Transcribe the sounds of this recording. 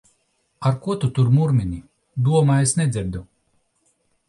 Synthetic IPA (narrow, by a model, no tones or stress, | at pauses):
aɾkuɔt̪ut̪uɾmuɾmʲinʲi | d̪uɔmaesnʲɛd̪zʲiɾd̪u